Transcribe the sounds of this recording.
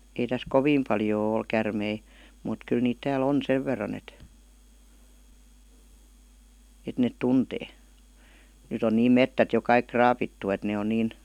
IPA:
ei tæs koʋiːm pɑljoː ol kærmei muˑt kyl niːt tæːl on seʋ ʋerːɑn et et net tunteː nyt on niːm metːæt jo kɑik krɑːpitːu et ne on niːn

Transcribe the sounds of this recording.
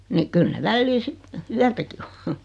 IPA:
ni kyl ne ʋælːiː sit yætæki o

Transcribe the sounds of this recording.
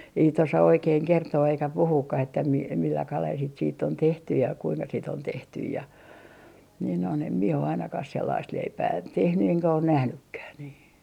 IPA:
ei sit osɑ oikeːŋ kertoː eikæ puhuːkːɑh etːæ mi milːɑ kɑlel sit siːtː on tehty jɑ kuiŋkɑ sit on tehtyj jɑ niːn on em mie o ɑinɑkɑh selːɑist leipæː tehny eŋkæ on næhnykːæh niː

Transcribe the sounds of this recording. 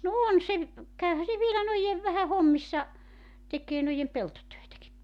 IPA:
no on se kæyhæ se ʋielæ noijeʋ ʋæhæ homːisːɑ tekˑeː noijem peltotøetæki

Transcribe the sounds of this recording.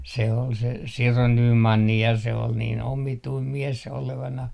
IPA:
se ol se siro nyːmɑnːi jɑ se ol niːn omituim mies oleʋɑnɑh

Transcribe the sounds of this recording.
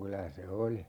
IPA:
kylæ se oli

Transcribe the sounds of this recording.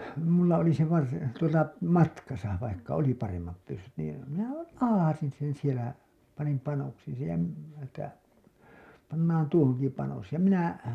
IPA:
mulːɑ oli se ʋɑrsi tuotɑ mɑtkɑsɑ ʋɑikːɑ oli pɑremːɑp pysːyt niː minæhæl lɑhɑsin sen sielæ pɑnim pɑnoksiːn̞ sej jɑ m etːæ pɑnːɑːn tuohoŋki pɑnos jɑ minæ

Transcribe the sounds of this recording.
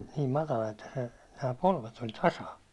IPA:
niːm mɑtɑlɑ etːæ se næː polʋet olʲ tɑsɑ

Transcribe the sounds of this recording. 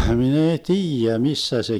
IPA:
hmin ei tiːjæ misːæ se

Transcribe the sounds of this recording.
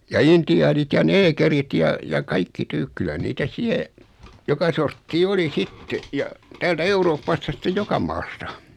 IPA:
jɑ intiɑːnit jɑ neːkerit jɑ jɑ kɑikːi tyːk kylæ niːtæ siɛ jokɑ sortːiː oli sitːe jɑ tæːltæ euroːpːɑstɑ sĭtːej jokɑ mɑːstɑ

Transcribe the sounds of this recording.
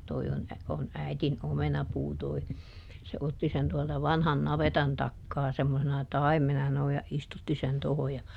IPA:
toi on on æitin omenɑpuː toi se otːi sen tuɔltɑ ʋɑnhɑn nɑʋetɑn tɑkːɑː semːosenɑ tɑimːenɑ sɑno jɑ istutːi sen toho jɑ

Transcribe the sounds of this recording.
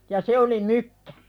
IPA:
jɑ se oli mykːæ̥

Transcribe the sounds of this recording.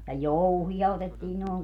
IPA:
jɑ jouhij̆ɑ otetːiː noːŋ

